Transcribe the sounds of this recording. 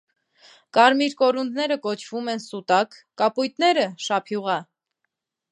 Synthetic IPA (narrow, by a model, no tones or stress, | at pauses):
kɑɾmiɾkɔɾund̪nɛɾəkɔt͡ʃʰv̥umɛnsut̪ɑkːɑpujt̪nɛɾəʃɑpʰjuʁɑ